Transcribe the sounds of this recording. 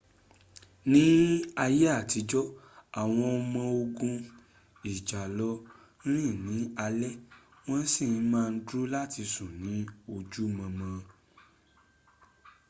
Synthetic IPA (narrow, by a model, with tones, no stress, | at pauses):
nĩ˦a˧je˦a˦˨ti˨˧d͡ʒɔ˦ | a˨w̃ɔ̃˧ɔ˧mã˧o˧ɡũ˧ | i˨d͡ʒa˨lɔ˧˦ | ɾ̃ĩ˦˨nĩ˨˦a˧lɛ˦w̃ɔ̃˦n˦si˦˨˦mãː˦˧n̩˦dɾu˦la˦˨ti˧sũ˨nĩ˨˦o˧d͡ʒu˦˨mã˧mã˧